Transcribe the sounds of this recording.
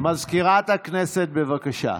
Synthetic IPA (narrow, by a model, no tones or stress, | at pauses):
mɐzkiɾaːt̪ɐkneset̪̚beʋɐkɐʃa̰ː